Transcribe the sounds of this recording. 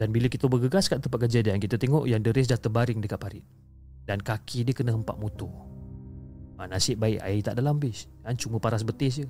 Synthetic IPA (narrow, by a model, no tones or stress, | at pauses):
danbiləkit̪əbəɡəɡaskaʔ̪t̪əmpaʔ̪̚kərd͡ʒadaankit̪ət̪eŋɔʔjaŋdəɾɪs̬dat̪əbaɾɪŋdəkat̪̚paɾɪt̪̚ | dankakʰidiəkənəɦəmpa̰ʔ̚mut̪u | anasɪʔ̚baɪʔa̰it̪a̰ʔdalambɪs | ant͡ʃuməpaɾasbət̪ɪs̬ə